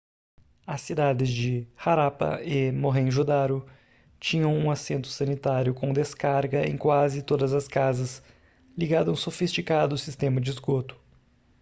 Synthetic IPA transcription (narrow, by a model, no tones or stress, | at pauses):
ɐsːid̪ad̪ɪzd͡ʒɪhaɾapɐ̰ɪmoɦẽj̃ʒud̪aɾʊ | t͡ʃĩɲɐ̃w̃ũasẽnt̪ʊ̥sɐnit̪aɾjʊkõd̪eskaɾɡɐḛ̃j̃kwazɪt̪od̪ɐzɐskazɐs | liɡad̪ɐ̃w̃sofist͡ʃikad̪ʊsist̪ẽmɐd͡ʒɪizɡot̪ʊ̥